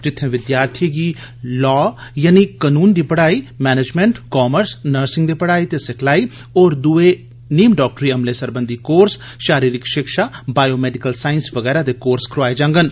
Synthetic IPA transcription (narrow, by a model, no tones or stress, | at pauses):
d͡ʒɪt̪ʰːẽːʋɪd̪jaːɾt̪ʰiɡiː | lɔːjaːnikanuːnd̪iːpəɽaːiːmɛːned͡ʒmẽɳʈkɔːməɾsnəɾsɪ̃ŋɡd̪iːpəɽaːiːt̪esɪkʰlaːiː | oːɾd̪ue | niːmɖɔːk̚ʈəɾiːəmleːsəɾbənd̪ʱikoːɾs | ʃaːɾiːɾɪkʃɪkʃaːbaːjoːmɛːɖɪkəlsaːɪnsʋəɡɛːɾad̪ekoːɾskɾʊaːed͡ʒãːŋɡən